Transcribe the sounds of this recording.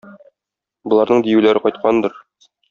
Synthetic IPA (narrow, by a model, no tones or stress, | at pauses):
bŏlˠɑɾnɤɴd̪ijʉlæɾɘqɒjt̪̚qʰɑnd̪ɤɾ